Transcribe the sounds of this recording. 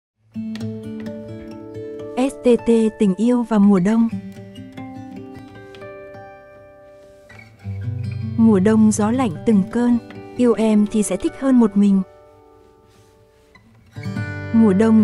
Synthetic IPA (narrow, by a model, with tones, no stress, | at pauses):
ʔɛ˦˥s̚t̪e˧t̪e˧t̪ï˨˩ŋ̟ʔi˧əwvaː˨˩mu˨˩əɗə˧wŋ͡m | mu˨˩əɗə˧wŋ͡mzɔ˨˦la̰˧˨jŋ̟t̪ɨ˨˩ŋkəː˧nʔi˧əwʔɛ˧mt̪ʰi˨˩sɛ̰˧˥t̪ʰi˦˥k̟̚həː˧nmo˨˩t̚mï˨˩ŋ̟ | mu˨˩əɗə˧wŋ͡m